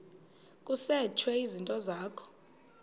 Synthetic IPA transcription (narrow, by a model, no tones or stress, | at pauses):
kʼusɛt͡ʃʰwɛizintʼɔzaːkʰɔ̥